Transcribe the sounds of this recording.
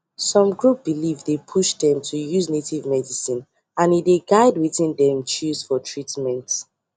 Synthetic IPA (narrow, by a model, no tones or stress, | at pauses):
sɔ̃mɡɹup̚b̥ilivdepʰuʃdɛ̃mtʰujuznetʰivmɛdisĩn | ãnideɡaɪdwiðĩndɛ̃mt͡ʃuz̥fɔtʰɹitmɛ̃nt